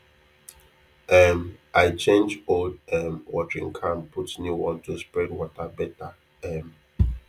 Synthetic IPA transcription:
ɛmʔaɪt͡ʃẽnd͡ʒodɛmwɔtəɹḭ̃ŋkʰãmpʰutnjuwɔ̃ntuspɹɛdwɔtabɛta | ɛm

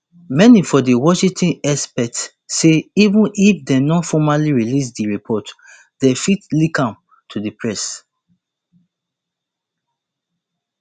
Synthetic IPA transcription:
mɛnifɔdiwɔʃĩtʰĩnɛspɛk̚t | sːeivũnʔifdɛ̃nɔ̃nfɔmaliɹilis̬diɹipʰɔt | dɛfitlikãm | tʰudipɹɛs

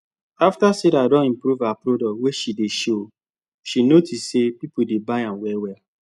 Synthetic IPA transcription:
aftaseɾadɔ̃nĩmpɾuvapɾodɔkweʃideʃo | ʃinotissepipodebaɪãnwɛwɛ

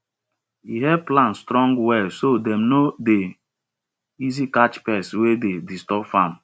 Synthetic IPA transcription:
iɦɛplãnstɾɔ̃ŋɡwɛsodɛmnode | izikat͡ʃpɛswededistɔpfãm

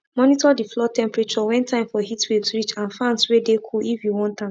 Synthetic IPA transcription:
mɔnitɔdiflɔtɛ̃mpɹɛt͡ʃɔwɛ̃ntʰãɪ̃mfɔhitwilsɹit͡ʃãnfãnswedekʰulifjuwɔ̃ntã

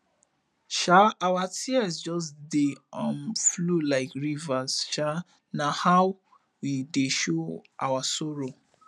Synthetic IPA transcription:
ʃaawatʰiɛsd͡ʒɔs̬deɔ̃nflulaɪkɹivasʃa | nahaw | wideʃoʔa̰wasɔɹo

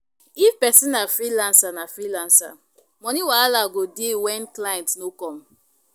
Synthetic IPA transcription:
ifpɛsĩnafɾilãnsanafɾilãnsa̰ | mɔnĩwalaɡodewɛ̃nklajɛ̃ntnokɔ̃m

